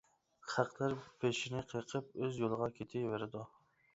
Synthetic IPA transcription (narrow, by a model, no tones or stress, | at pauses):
χæqʰlˠaɾpʰeʃɪnɪqʰəjqʰɨp̚ɵzjolˠɨʁɑkʲʰet̪ʰɪveɾɪd̪ʊ